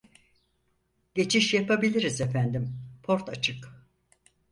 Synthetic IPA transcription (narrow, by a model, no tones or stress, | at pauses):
ɟ̥e̞t͡ʃʰiʃjapabilʲiɾizefænd̪impʰo̞ɾt̪ʰat͡ʃʰɯk